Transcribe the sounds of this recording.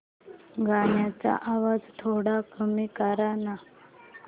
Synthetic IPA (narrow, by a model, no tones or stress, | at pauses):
ɡʱaɳjat͡sa̰ʔaʋad͡zt̪ʰoɽakəmikaɾana